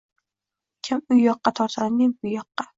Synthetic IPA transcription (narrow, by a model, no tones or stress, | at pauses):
kʲʰamʊjːɒqːɑt̪ʰɒɾt̪ʰannɪŋʊjːɒqːɑ